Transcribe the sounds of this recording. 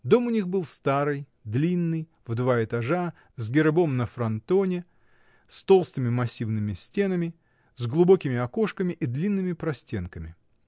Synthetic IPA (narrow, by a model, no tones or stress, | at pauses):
d̪o̞mʊnʲixbɨlˠst̪aɾɨj | d̪lʲinːɨj | vd̪vaɪt̪ɐʐa | zɡʲɪɾbo̞mnəfɾɐnt̪onʲɪ | st̪o̞lˠst̪ɨmʲɪmɐsʲivnɨmʲɪsʲtʲe̞nəmʲɪ | zɡlˠʊbo̞kʲɪmʲɪɐkoʂkəmʲɪʔid̪lʲinːɨmʲɪpɾɐsʲtʲe̞nkəmʲɪ